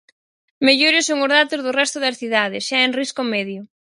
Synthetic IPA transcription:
meʎoɾɪsoŋʊzðat̪ʊzðʊrɛst̪ʊðɐsθiðað̞ɪsʃaenriskʊmɛðjʊ

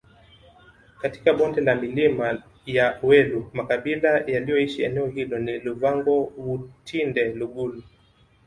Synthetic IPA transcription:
kati̥kaɓɔndɛlamilima | jawɛlumakaɓilajalijɔiʃiɛnɛɔɦilɔniluvaŋɡɔwutʰindɛluɡulu

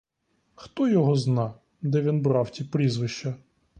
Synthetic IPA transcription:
xt̪ɔjɔɦɔznɑ | d̪ɛʋʲinbɾɑwtʲipɾʲizʋɪʃt͡ʃɐ

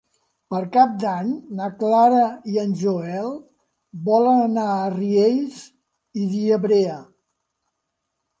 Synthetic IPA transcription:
pəɾkap̚d̪aɲnəklaɾəiənʲʒoɛlˠ | bɔlənənaəriejz | iðiəβɾeə

